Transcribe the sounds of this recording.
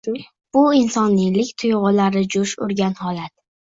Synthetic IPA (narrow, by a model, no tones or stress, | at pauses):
b̥ʊɪnsɒnːɪlɪkʲt̪ʰʊjʁʊlaɾɪd͡ʒʊʃʊ̰ɾɡʲanhɒlat̪̚